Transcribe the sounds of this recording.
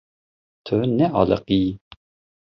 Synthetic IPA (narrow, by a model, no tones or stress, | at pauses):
t̪ʰønɛɑ̰lə̰qi